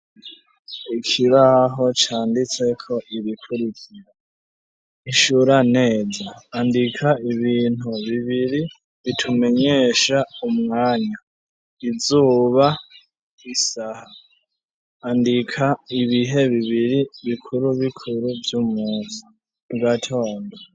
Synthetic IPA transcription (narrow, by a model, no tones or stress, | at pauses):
ikʰiβaɦo̞t͡ʃaːndit͡se̞kʰo̞ʔiβikʰuɾikʰiɾa | iʃuɾane̞ːzaːndikʰaiβiːn̥huβiβiɾi | βitʰume̞ɲe̞ːʃaumŋaːɲa | izuːβa | isaha | ndikʰaiβiɦe̞βiβiɾiβikʰuɾuβikʰuɾuvjumuːzi̥ | uɡatʰo̞ːnda